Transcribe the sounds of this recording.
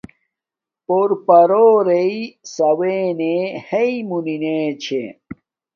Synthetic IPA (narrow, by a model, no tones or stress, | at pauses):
poɾpɐɾoːɾeisɐweneheimunineːt͡ɕʰḛ